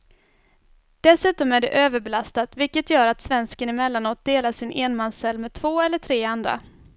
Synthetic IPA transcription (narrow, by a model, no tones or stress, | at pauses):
d̪̥ɛsʉ̟ːt̪ɔmæɖɛ̰ʔøːvəɾbɛlast̪at̪vɪlkːət̪jœːɾat̪svɛnskənɪmɛlːanoːt̪̚d̪eːlaʂɪnʔeːnmansɛlːmɛːd̪̚t̪ʰvoːɛlːəʈʰɾeːand̪ɾa̰